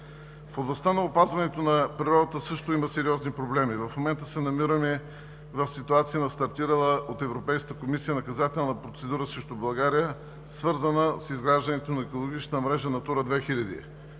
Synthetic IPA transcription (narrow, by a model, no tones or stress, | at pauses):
foblˠɐst̪anɐopazvɐnɛt̪onɐpɾiɾɔd̪ət̪əsɤʃt̪oimɐsɛɾiɔznipɾoblɛmivɐfmomɛnt̪əsɛnɐmiɾəmɛ | vəfsit̪uat̪sijənɐst̪ɐɾt̪iɾəlˠəot̪ɛvɾopɛjskət̪əkomisijənɐkɐzat̪ɛlˠnɐpɾot̪sɛd̪uɾəsɾəʃt̪ʊblˠɐɡaɾijə | svɤɾzənəsizɡɾaʒd̪ɐnɛt̪onɐɛkolˠoɡit͡ʃnəmɾɛʒənɐt̪uɾəd̪vɛxilʲɐd̪ḭ